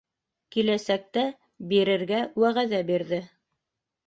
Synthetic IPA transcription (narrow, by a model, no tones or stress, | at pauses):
kilæsæk̚t̪æ | biɾɘ̆ɾɡæwæʁæðæbiɾðɘ